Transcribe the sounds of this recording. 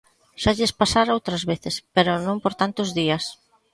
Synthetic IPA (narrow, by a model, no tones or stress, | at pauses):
ʃaʎespasaɾowt̪ɾazβeθɪspeɾʊnõmpoɾt̪ant̪ʊzðiɐs